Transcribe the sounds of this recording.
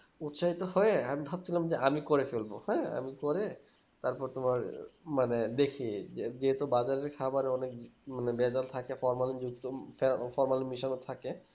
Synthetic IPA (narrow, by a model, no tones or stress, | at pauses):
ut̪ʃaɦit̪oɦɔeamibʱab̚t͡ɕʰilamd͡ʑeʔamikoɾefelbohɔea̰mikoɾe | t̪aɾpɔɾt̪omaɾmaned̪ekʰied͡ʑeɦet̪obad͡ʑaɾeɾkʰabaɾɔnekmanebɛd͡ʑalt̪ʰakefɔɾmalid͡ʑuk̚t̪ofefɔɾmalimiʃonot̪ʰake